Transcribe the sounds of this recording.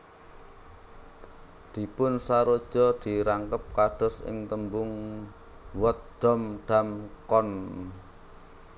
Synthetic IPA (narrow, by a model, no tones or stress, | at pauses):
d̪̥i̤pʊnsaɾod̥ʒ̥ɔd̪̥i̤ɾaŋkəp̚kaɖ̥ɔ̤sɪ̰ŋt̪əmbʊŋ | wɔt̪̚d̪̥ɔ̤mɖ̥a̤mkɔn